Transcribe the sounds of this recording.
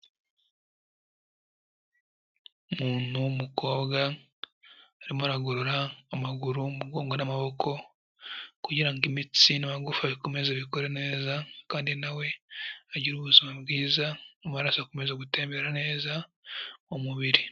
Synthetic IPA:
muːn̥humuko̞ːbɡa | ɾimoaɾaɡoɾoɾaːmaɡuɾumuɡo̞ːŋɡonamaβo̞kʰo̞ | kuɟiɾaŋɡimit͡sinaβaɡufaβikome̞zeβikoɾene̞ːzakaːndinawe̞aɟiɾuβuzimabɡiːzaomaaɾasakome̞zeɡute̞ːmbeɾane̞ːza | omuβiɾi

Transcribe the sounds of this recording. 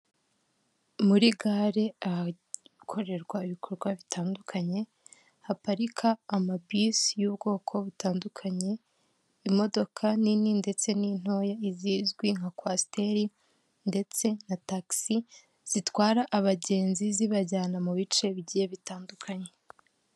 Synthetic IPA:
muɾiɡaɾe̞aha | kʰo̞ɾe̞ɾɡwaiβikʰo̞ɾɡwaβitʰaːndukʰaɲe̞ | hapaɾikʰaːmabisjuːbɡo̞ːkʰo̞βutaːndukʰaɲe̞ | imo̞do̞kʰanininde̞t͡se̞nin̥ho̞ːjaiziːzɡwiŋakwaste̞ɾi | nde̞t͡se̞nataksi | z̥itwaːɾaʔːβaɟe̞ːnziziβaɟaːnamuβit͡ʃe̞βiɟiːje̞βitaːndukʰaɲe̞

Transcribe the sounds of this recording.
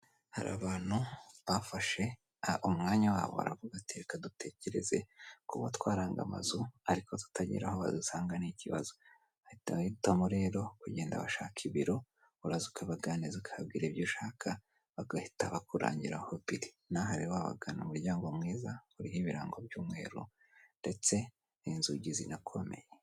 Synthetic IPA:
haɾa̰ːβaːn̥huβafaʃe̞ | umŋaːɲawa̰ːβo̰a̰ɾa̰vuɡatikadute̞ce̞ɾe̞̰ze̞̰kuβatwaːɾaːŋɡa̰ma̰zuaɾikʰotu̥tʰaɟḭɾahoβa̰dusaːŋɡaniciβa̰zo̥ | aitaiutamoɾe̞ːɾo̞kuɟe̞ːnda̰βa̰ʃaːkʰiβiɾo̞ | uɾazukʰaβaɡaːnizikʰaabɡiːɾebjoʃaːkʰa | βaɡahitaβakuɾa̰ːɲɟiɾahoβiɾi | naɦaɾiwaβa̰ɡanumuɾɟaːŋɡo̞mŋiːzauɾiɦiβiɾa̰ːŋɡo̞bɟuːmŋe̞̰ːɾṵ | nde̞t͡se̞ | inzuɟizinakʰo̞me̞̰je

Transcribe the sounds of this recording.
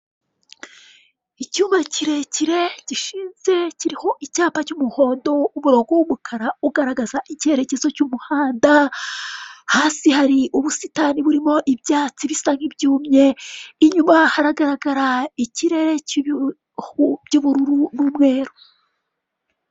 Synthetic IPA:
icuːmaciɾe̞ciɾe̞ɟiʃiːnze̞ciɾiho̞ʔicaːpacumuho̞ːndo̞umuɾo̞ːɡowumukʰaɾauɡaɾaɡazaʔicihe̞ɾe̞ce̞zo̞cumuhaːnda | haːsihaɾiʔuβusitaniβuɾimo̞ʔibjaːt͡siβisaŋibɟuːmɲe̞iɲumahaɾaɡaɾaɡaɾaiciɾe̞ɾe̞ | ɟuβuɾuɾunumŋe̞ːɾu

